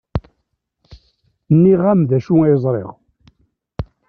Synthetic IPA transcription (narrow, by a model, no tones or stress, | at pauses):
nːiʁamðæʃuæjəzˤɾˤḛʁ